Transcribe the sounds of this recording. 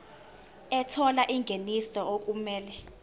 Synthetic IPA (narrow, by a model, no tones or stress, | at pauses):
ɛtʰɔlaʔiŋɡʱenisɔok̬ʼumɛːlɛ